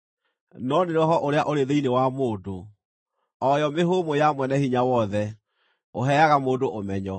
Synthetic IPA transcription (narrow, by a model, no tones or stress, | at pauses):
nɔneɾɔɦɔʔoɾeaʔoɾeðeinewamoːdo | ɔjɔmeɦoːmojamwɛnɛhiɲawɔðɛ | oɦɛaɣamoːdoʔomɛɲɔ